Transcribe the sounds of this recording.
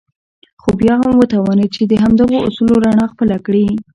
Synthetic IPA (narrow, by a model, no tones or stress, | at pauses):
xobjɑɦamwət̪awɑnet͡ʃed̪əɦamd̪əɣoʔʊ̰suloɾaɳɑxpəlakɽi